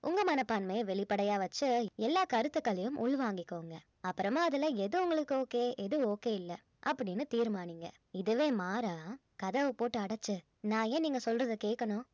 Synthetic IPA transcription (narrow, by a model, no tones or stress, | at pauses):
ʔʊŋɡɐmɐnɐpːaːnmɐjɐʋɛɭɪpːɐɽɐjaːʋɐt͡ʃːɯɛlːaːkɐɾɯt̪ːɯkːɐɭɐjɯmʔʊɭʋaːŋɡɪkːoːŋɡɐ | ɐpːɯɾɐmaːɐðɯlɐɛðɯʊŋɡɐɭɯkːɯoːkeːʔɛðɯoːkeːɪlːɐ | ʔɐpːɐɽɪnːɯt̪iːɾmaːniŋɡɐ̰ | ɪðɯʋeːmaːɾaː | kɐðɐʋɯpoːʈːɯɐɽɐt͡ʃːɯ | nãːeːniːŋɡɐsɔlrɐðɯkeːʈkːɐnʊ̃ː